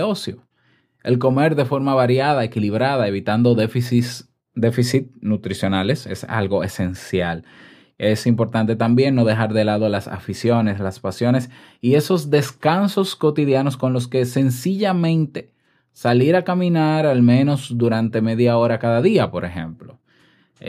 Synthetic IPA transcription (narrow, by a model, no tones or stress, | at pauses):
osjo | e̞̰lko̞me̞ɾðe̞fo̞ɾmaβaɾjaðae̞kiliβ̞ɾaðae̞β̞it̪and̪oðefisis | d̪e̞fisit̪̚nut̪ɾisjo̞nale̞se̞̰sa̰lɣo̞e̞se̞nsjal | e̞simpo̞ɾt̪ant̪e̞t̪ambje̞nːo̞ðe̞ɦaɾðe̞laðo̞lasa̰fisjo̞ne̞slaspasjo̞ne̞s | ie̞so̞zd̪e̞skanso̞sko̞t̪iðjano̞sko̞nlo̞ske̞se̞nsiʝamẽ̞nt̪e̞̥ | saliɾakamĩnaɾalmẽ̞no̞sd̪uɾant̪e̞me̞ðjao̞ɾakaðaðiapo̞ɾe̞xe̞̰mplo̞